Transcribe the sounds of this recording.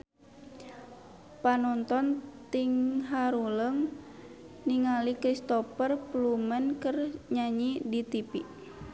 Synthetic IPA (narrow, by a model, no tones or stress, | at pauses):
panɔnt̪ɔnt̪iŋɦaɾuləŋ | niŋalikɾist̪ɔpərplumənkərɲaɲidit̪ipi